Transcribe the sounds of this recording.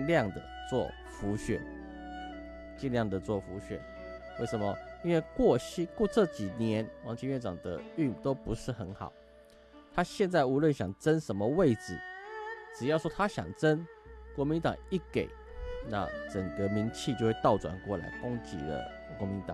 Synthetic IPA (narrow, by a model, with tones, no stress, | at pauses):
ljɑ˥˨ŋd̪ə̰˩ | t͡swɔ˥˩ | fu˧˥ɕɥɛ̰˨˩˦n | t͡ɕi˥˧nljɑ˥˩ŋd̪ə˨˩t͡swɔ˥˩fu˧˥ɕɥɛ̰˨˩˦n | we˥˩ɪʂə˧˦nmə˧i˥nwe˥˧ɪkwɔ˥˧ɕi˥kwɔ˥˧ʈ͡ʂɤ˥˩˨t͡ɕi˨˩njɛ˧˦nwɑ˧˥ŋt͡ɕʰi˧˥ŋɥɛ˥˩nʈ͡ʂɑ̰˨˩ŋd̪ə̰˦y˥˨nt̪o˥ʊpu˧˥ʂɻ̩˥˩xə˧˥nxɑ̰˨˩˦ʊ | t̪ʰa˥ɕjɛ˥˧nt͡sa˥˩ɪu˧˥lwə˥˨nɕjɑ˨˩ŋt͡sə˦nʂə˧˥nmə˧we˥˩ɪd͡zɹ̩˨˩ʈ͡ʂɻ̩˨˩jɑ˥˩ʊʂwɔ˥t̪ʰa˥ɕjɑ̰˨˩ŋt͡sə˦˥nkwɔ˧˥mi˧˥nt̪ɑ̰˨˩ŋi˥˩ke˨˩˦ɪ | na̰˥˩t͡sə˨˩ŋɡə˦mi˧˥nt͡ɕʰi˥˧t͡ɕjo˥˧ʊwe˥˧t̪ɑ˥˩ʊt͡swa̰˨˩nkwɔ˥˩la̰˧˥ɪkʊ˥ŋt͡ɕḭ˨˥lə̰˧ | kwɔ˧˥mi˧˦nt̪ɑ̰˨˦ŋ